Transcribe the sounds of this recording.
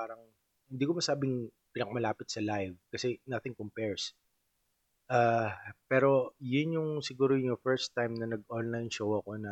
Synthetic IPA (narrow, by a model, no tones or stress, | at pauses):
aːɾɐŋ | hɪnd̪iːkomɐsaːbɪŋpɪnɐkɐmɐlaːpɪt̪sɐlajvkɐsɛnɐθɪŋkompɛɹs | ʔaːpɛːɾo̞jʊnjʊŋsɪɡuːɾojʊŋjʊfɛɹst̪ːajmnɐnɐɡʔonlajnʃowɐko̞nɐ